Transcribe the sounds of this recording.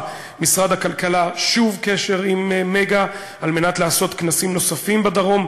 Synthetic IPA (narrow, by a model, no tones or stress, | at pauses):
misʁad̪hakalkalaʃuvkeʃe̞ʁimːeɡa | alme̞nat̪laːso̞t̪knasimno̞safimbed̪aʁo̞m